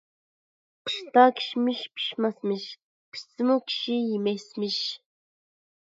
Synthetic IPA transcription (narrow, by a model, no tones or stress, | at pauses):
qə̥ʃt̪ɑkʲʰi̥ʃmiʃpʰi̥ʃmɑsmɨʃ | pʰi̥sɪmukʲʰi̥ʃijimɛsmɪʃ